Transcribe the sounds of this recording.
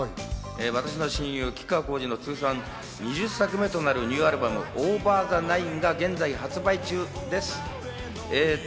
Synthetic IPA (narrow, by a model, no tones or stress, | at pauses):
eːβat̪aɕ̬ino̞ɕĩjɯːkʲi̥kako̞ːʑino̞t͡sɨːsãn | ɲiʑɨsːakɯ̟me̞t̪o̞naɾɯ̟ɲ̟ʲɨːaɾɯ̟bamɯ̟ʔoːbaːzanaiŋɡaɡẽ̞nd͡zaiɦat͡sɨbait͡ɕɨːd̪e̞sɨ̥ | eː